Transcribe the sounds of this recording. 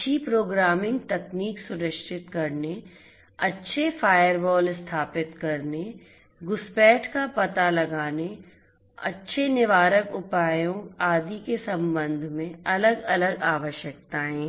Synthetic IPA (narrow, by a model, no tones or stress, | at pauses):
t͡ʃʰipɾoːɡɾaːmɪ̃ŋɡ̚t̪ɛkniːksʊɾəʃɪt̪kɐɾne | ɐtːʃʰefaːjəɾbɔːlɪst̪ʰaːpɪt̪kɐɾne | ɡʊspɛːʈʰkapɐt̪alɐɡaːne | ɐ̰tːʃʰenɪʋaːɾəkʊpaːjõaːd̪ikesɐ̃mbə̃nd̪ʱmẽɐləɡɐləɡaːʋəʃjək̚t̪aɦɛ̃ː